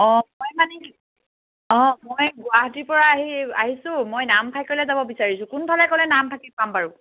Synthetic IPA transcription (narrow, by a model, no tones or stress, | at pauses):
ɔ̃mojmani | ɔ̃mojɡʊaɦatiɹpɔɹaːɦia̰ɦisʊ̃mojnampʰajkoɹilɛzabɔbisaɹisʊ̃kunbʱalɛkɔlɛnamtʰakɛpampaɹʊ